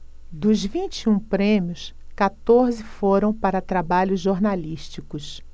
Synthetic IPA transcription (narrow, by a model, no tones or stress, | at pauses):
d̪ʊzvĩnt͡ʃiũpɾẽmjʊskat̪oɾzɪfoɾɐ̃w̃paɾɐt̪ɾabaʎʊzʒoɾnaliʃt͡ʃikʊs